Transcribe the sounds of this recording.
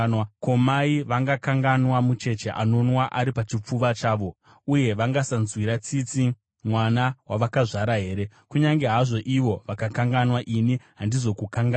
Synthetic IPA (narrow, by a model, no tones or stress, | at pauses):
ko̞maiʋaŋɡakaŋɡanwamut͡ʃe̞t͡ʃe̞ʔa̰no̞nwaʔaɾipat͡ʃip͡fuʋat͡ʃaːʋo̞ | uje̞ʋaŋɡasanzwiɾat͡sit͡si | mwanawaʋakaʐaɾaɦe̞ːɾe̞ | kuɲaŋɡe̞ɦaʐo̞ʔiʋo̞ʋakakaŋɡanwaʔiniɦandizo̞kukaŋɡa